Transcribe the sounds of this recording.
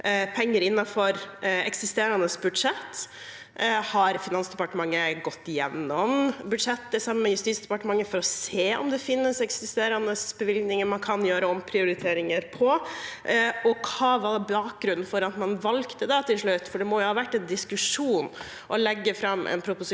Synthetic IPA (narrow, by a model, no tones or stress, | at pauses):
pʰɛŋːəɾɪnːɑfɔɾɛ̰ksɪst̪eːɾɑnəsbʉd̪ʂɛt̪ː | hɑɾfɪnɑnsd̪ɛpɑʈəmɑŋːəɡɔt̪ːɪjɛnːɔmbʉd̪ʂɛt̪ːd̪ɛsɑmːəmɛjʉst̪iːt̪sd̪ɛpɑʈəmɑŋːəfɔɾɔseːʔɔ̰md̪ɛfɪnːəsɛksɪst̪eːɾɑnəsbəʋɪlɡnɪŋəmɑnkʰɑnjøːɾəɔmpʰɾɪʊɾɪt̪ʰeːɾɪŋəɾpʰɔ | ɔkhɑʋɑbɑːk̚ɡɾʉn̩fɔɾɑt̪mɑnʋɑlkt̪əd̪ɛt̪ʰɪlʂɭʉt̪ːfɔɖɛmɔjʊhɑːʋæʈːɛnd̪ɪskʉʂuːn | ʔɔlɛɡːəfɾɑmːʔɛ̰npʰɾʊpʊsɪ